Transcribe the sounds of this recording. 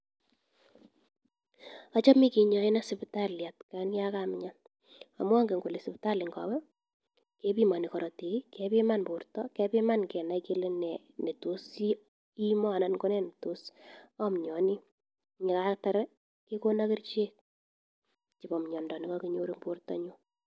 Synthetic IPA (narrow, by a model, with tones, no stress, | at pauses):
ɔ˦t͡ʃɔ˦mi˦ki˨ɲɔ˨i˦na˦sɪ˨ptalja˨tkanjakam˦ɲa˦ | a̰˨mwa˦ŋɡe˨ŋɡu˨le˨sɪ˨pta˦lɪ˨ŋɡɔ̰˨wɛ˦ | ke˦pi˦ma˨ni˨kɔ˨ɾɔ˨ti˨ki˦kɛ˦pi˦ma˦nbu˨ɾtɔkɛ˦pi˦ma˦nkɛ˨na˨ike˦le˦nɛ | ne˨to˦si˦ | i˦mɔ˦a˨na˨˦nko˦nɛ˦ne˨tu˦sɔmɲɔ˨ni˦ | ŋɪ˨ka˦ta˦ɾɛ | ke˦ko˦na˦kɪ˦ɾt͡ʃe˦k̚ | t͡ʃi˨bɔ˨mɲɔ˨ndɔ˨ni˨kɔ˦ki˦ɲo˦ɾi˦mpu˦rtɔ̰ɲu˦